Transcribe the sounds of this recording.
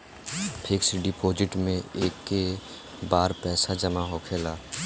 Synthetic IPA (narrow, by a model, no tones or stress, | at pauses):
pʰɪksɖɪpʰoːd͡ʒɪʈmẽeːkːe | baːɾpɛːsad͡ʒɐmaɦoːkʰeːlaː